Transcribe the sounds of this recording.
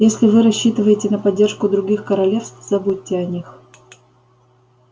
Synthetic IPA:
jesʲlʲɪvɨɾɐɕːit̪ɨvəjɪtʲɪnəpɐdʲːerʂkʊd̪ɾʊɡʲixkəɾɐlʲe̞fst̪z̥ɐbutʲːɪɐnʲix

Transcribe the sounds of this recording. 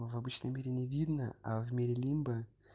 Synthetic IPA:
vɐbɨt͡ɕnəjmʲeɾʲɪnʲɪvʲid̪nəa̰vmʲeɾʲɪlʲimbɨ

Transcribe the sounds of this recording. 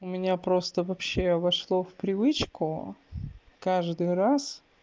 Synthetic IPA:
ʊmʲɪnʲapɾo̞st̪əvɐpɕːe̞vɐʂlˠofpɾʲɪvɨt͡ɕkʊ | kaʐd̪ɨjɾas

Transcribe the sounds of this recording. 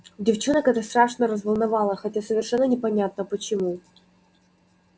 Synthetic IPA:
dʲɪft͡ɕonəkɛt̪əst̪ɾaʂnəɾəzvəlˠnɐvɑlˠəxɐtʲasəvʲɪrʂɛnːənʲɪpɐnʲat̪̚nəpət͡ɕɪmu

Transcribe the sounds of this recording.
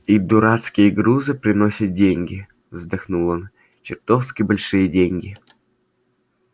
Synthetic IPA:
id̪uɾat̪skʲijəɡɾuzɨpɾʲɪnosʲɪt̪̚dʲeŋʲɡʲɪ | vzd̪axnulˠon | t͡ɕɪrt̪ofskʲibɐlʲʂɨjədʲeŋʲɡʲi

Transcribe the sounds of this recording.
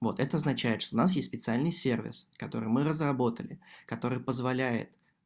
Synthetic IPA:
vo̞̰t̪ɛt̪əɐznɐt͡ɕæjɪt̪ʂt̪oʊnas̬jesʲt̪ʲspʲɪt̪sɨalʲnɨjsʲe̞rvʲɪ̰skɐt̪o̞ɾɨ̰jmɨɾəzrɐbo̞t̪əlʲɪkɐt̪o̞ɾɨjpəzvɐlʲæjɪ̰t̪

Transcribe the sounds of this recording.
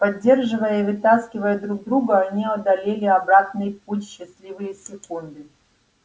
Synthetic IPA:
pɐdʲːe̞rʐɨvəjəivɨt̪askʲɪvəjəd̪ɾuɡ̚d̪ɾuɡɐːnʲiɐd̪ɐlʲelʲɪɐbɾat̪nɨjp̚utʲɕːɪslʲivɨjəsʲɪkund̪ɨ

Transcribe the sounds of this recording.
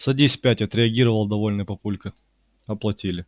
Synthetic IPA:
sɐdʲisʲpʲætʲɐt̪ɾʲɪɐɡʲiɾəvəlˠd̪ɐvolʲnɨjpɐpulʲkə | ɐplˠɐtʲilʲɪ

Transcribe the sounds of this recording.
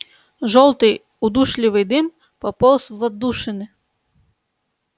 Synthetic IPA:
ʒɔlˠt̪ɪj | ʊd̪uʃlʲɪʋɪjd̪ɪm | pɔpɔlˠsʋɔd̪uʃɪnɪ

